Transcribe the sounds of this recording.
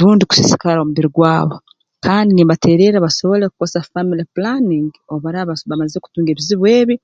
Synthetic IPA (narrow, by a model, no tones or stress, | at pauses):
ɾuːndiku̥sisi̥kaɾaomuβiɾiɡwaːβo̞ | kʰaːndinimbate̞ːɾeɾaβaso̞βo̞leku̥kosafamiliplaniŋɡ | oβaɾaβaβamazeku̥tuːŋɡeːβiziβweːβi